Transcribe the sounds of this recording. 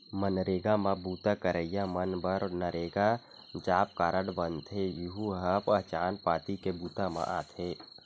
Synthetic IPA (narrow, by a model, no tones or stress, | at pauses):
mənɾeːɡamãbuːt̪akəɾəjamənbəɾnəɾeːɡa | d͡ʒaːp̚kaːɾəɽbənt̪ʰejiɦuɦəpət͡ʃaːnpaːt̪ikebuːt̪amã̰ʔa̰ːt̪ʰeː